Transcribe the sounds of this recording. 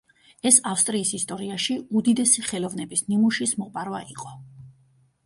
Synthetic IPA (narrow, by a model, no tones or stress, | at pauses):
ɛsafst̪ʼɾiːsist̪ʼɔɾiaʃiud̪id̪ɛsiχɛlˠɔvnɛbisnimuʃismɔpʼaɾvaiqʼɔ